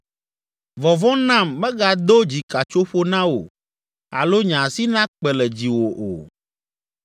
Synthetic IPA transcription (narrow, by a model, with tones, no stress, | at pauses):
vɔ˨vɔ̃˦nã˦˨mːɛ̃˦ɡa˨d̪o˦d͡ʑi˨ka˨t͡ʃo˦ɸo˦nã˦wo̰˨ | a̰˨lo˦ɲã˨si˦nã˦k͡pɛ˨lɛ˨d͡ʑi˨wo˨ʔo̰˨